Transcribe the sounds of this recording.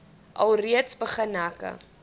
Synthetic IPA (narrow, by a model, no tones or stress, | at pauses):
ʔɐlˠriətsbəχənɦækə̰